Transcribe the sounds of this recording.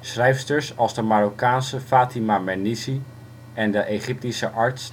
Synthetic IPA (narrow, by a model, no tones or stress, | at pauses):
srɛjfstəɹsɑlˠzdəmaɾokaːnsəfaːtimamɛnisi | ɛndəʔeχɪp̚tisəʔɑɹts